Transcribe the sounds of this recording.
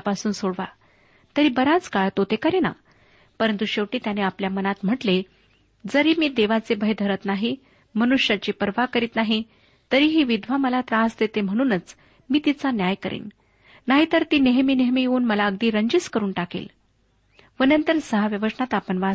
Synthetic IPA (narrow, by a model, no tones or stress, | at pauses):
pasuːnsoɽʋa | t̪əɾiːbəɾat͡skaɭt̪ot̪ekəɾena̰ | pəɾənt̪uɕeʋʈiːt̪janeapljamənat̪m̤əʈle | d͡zəɾiːmiːd̪eʋat͡sebʱəjd̪ʱəɾət̪naɦi | mənuʂjat͡ɕiːpəɾʋakəɾiːt̪naɦi | t̪əɾiːɦiːʋid̪ʱʋaməlat̪ɾasd̪et̪em̤əɽ̃uːnət͡s | miːt̪it͡sanjajkəɾḭːn | naɦit̪əɾt̪iːneɦmiːneɦmiːjeuːnməlaəɡd̪iːɾəɲd͡ʑiskəɾuːnʈakḛl | ʋənənt̪əɾsəɦaʋjəʋəsɳat̪apəɳʋa